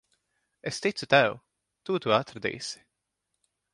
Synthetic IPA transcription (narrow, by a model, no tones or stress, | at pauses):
est̪it̪sut̪æw | t̪uːt̪uːat̪ɾad̪ḭːsi̥